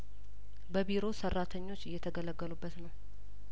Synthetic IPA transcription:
bəbiɾo̞sərːat̪ʰəɲːo̞t͡ʃːɪjːɛt̪ʰəɡələɡːəlubːət̪nəw

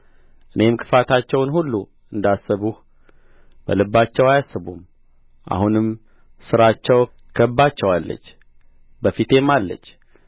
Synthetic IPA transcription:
ʔɨne̞mɨkʰɨ̥fat̪ʰat͡ʃːɛwnhulːu | ɨnd̪asːəβuh | b̥ə̰lɨbːat͡ʃːɛwajasːɨβum | ʔa̰hunɨm | sɨɾat͡ʃːɛw | kʰəbːat͡ʃːɛwalːə̰t͡ʃː | bəfit̪ʰe̞malːə̰t͡ʃː

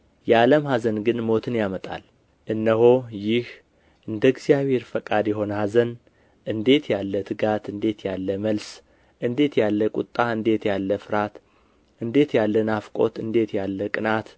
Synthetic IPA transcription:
jɛaləmhazənɡɨnmo̞t̪ʰɨnjamət̪ʼa̰l | ʔɨnːəho̞jɪh | ʔɨnd̪əɨɡzijaβhe̞ɾfəkʼad̪jɛɦo̞nəhazən | ʔɨnd̪e̞t̪ʰjalːət̪ʰɨɡat̪ʰɨnd̪e̞t̪jalːəməls | ʔɨnd̪e̞t̪jalːəkʼṵt̪ʼːaɨnd̪e̞t̪jalːəfɨɾat̪ | ʔɨnd̪e̞t̪jalːənafkʼo̞t̪ɨnd̪e̞t̪jalːəkʼɨnat̪

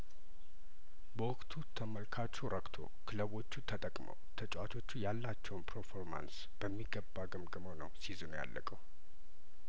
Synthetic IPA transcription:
bəwɔkʼt̪ʰut̪ʰːəməlkʰat͡ʃːɛwɾʔəkʼt̪ʰo̞̰kʰɨləβo̞t͡ʃːut̪ʰət̪ʼəkʼmə̰wt̪ʰət͡ʃʼwat̪ʰo̞t͡ʃːujalːat͡ʃːɛwnpʰəɾfoɾma̰ns | b̥əmːiɡːəbːaɡəmɡəməwnəwsizɨnja̰lːʔəkʼəw

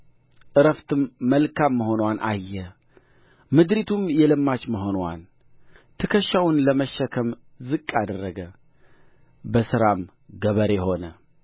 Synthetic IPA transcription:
ʔɨɾəft̪ʰɨmːəlkʰamːəɦo̞nwanʔa̰jːɛ | mɨd̪ɾit̪ʰumjɛlɨmːat͡ʃməɦo̞nwa̰n | t̪ʰɨkʰəʃːawʊnləməʃːəkʰəm | zɨkʼːad̪ərːəɡə | bəsɨɾam | ɡəβəɾeho̞nə

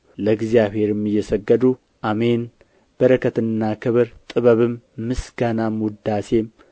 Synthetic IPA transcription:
ləɡzijaβhe̞ɾɨmːɨjːɛsəɡːəd̪u | ʔamen | b̥əɾəkʰət̪ɨnːakʰɨβɨɾt̪ʼɨβəβɨmː | ɨsɡanamwʊd̪ase̞m

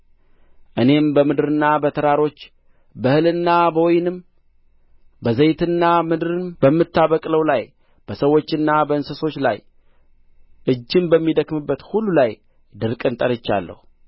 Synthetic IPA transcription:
ʔɨne̞mbəmɨd̪ɨɾɨnːabət̪ʰəɾaɾo̞t͡ʃː | bəhɨlɨnːabəwɔjnɨm | bəzəjt̪ʰɨnːamɨd̪ɨɾɨnbəmːɨt̪ːaβəkʼləwlaj | b̥əsəwːo̞t͡ʃːɨnːabəɨnsəso̞t͡ʃːla̰j | ʔɨd͡ʒːɪmbəmːid̪əkmɨbːət̪hulːulaj | d̪ɨɾkʼɨnt̪ʼəɾɨt͡ʃːa̰lːə̰hu

